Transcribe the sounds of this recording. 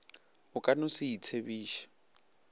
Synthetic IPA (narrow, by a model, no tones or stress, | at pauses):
ʊkʼanʊsiit͡sʰebiːʃḁ